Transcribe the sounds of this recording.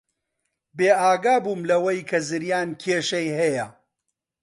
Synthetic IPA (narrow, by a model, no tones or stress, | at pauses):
beːʔaːɡaːbuːmlɐwɐjkʰɐzɨɾjaːnkʰeːʃɐjɦɐjɐ